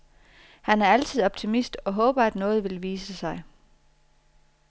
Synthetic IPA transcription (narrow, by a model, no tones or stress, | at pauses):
hænæɐæl̰t͡sʰið̞̰ˠɒ̽b̥̚t͡sʰimisd̥ɒ̽ɦɔ̽ːb̥ɐæd̥nɔ̽ːð̞̩ˠʋe̝lʋiːsəsɑ̈ɪ